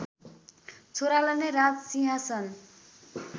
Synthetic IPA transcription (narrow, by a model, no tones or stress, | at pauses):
t͡sʰoɾalʌnerad͡zsiɦasʌn